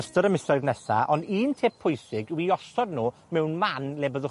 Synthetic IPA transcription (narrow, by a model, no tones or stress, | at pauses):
stəɾəmɪsɔjðnɛsa̰ʔɔndiːntʰeːpʰʊjsɪɡwiɔsɔdnuːmɛwnmanleːbəðʊ